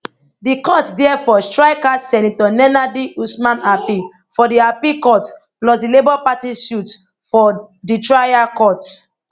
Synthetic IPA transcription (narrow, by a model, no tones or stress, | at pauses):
dikɔtdɛɛfɔstɹaɪkadsɛnitɔnɛnadiusmãnapi | fɔdiapikɔt | plɔsdilebɔpatisjut | fɔ | ditɹajakɔt